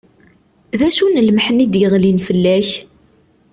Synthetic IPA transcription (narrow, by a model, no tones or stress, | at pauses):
ðæʃunəlməħnid̪jəʁlinfəlːæç